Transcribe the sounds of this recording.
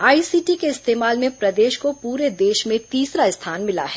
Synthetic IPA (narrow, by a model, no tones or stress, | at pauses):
aːisiːʈikeɪst̪eːmaːlmẽpɾɐd̪eːʃkopuːɾed̪eːʃmẽt̪iːsɾaɪst̪ʰaːnmɪla̰ɦɛː